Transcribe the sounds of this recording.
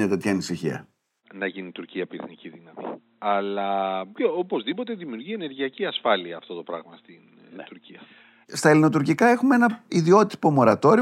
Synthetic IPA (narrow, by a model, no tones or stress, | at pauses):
et̪et̪çɐːnisiçiɐ̰ | nɐʝinit̪uɾciɐpiɾeθniciðinɐmḭ | ɐlɐopo̞zðipo̞t̪e̞ðimiuɾʝie̞ne̞ɾʝiɐciɐsfɐliɐːft̪o̞t̪o̞pɾɐ̰ɣmɐst̪in | t̪uɾciɐ | st̪ɐelino̞t̪uɾcikɐe̞xumeenɐiðio̞t̪i̥po̞mo̞ɾɐt̪o̞ɾi